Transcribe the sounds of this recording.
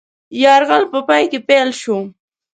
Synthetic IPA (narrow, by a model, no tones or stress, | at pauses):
jɑɾɣalpəpɑjkepelʃo